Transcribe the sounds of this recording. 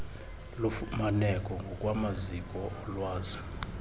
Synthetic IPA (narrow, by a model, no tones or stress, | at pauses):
lumanɛkʼɔŋɡʱɔkʼwamazikʼɔɔlwaːza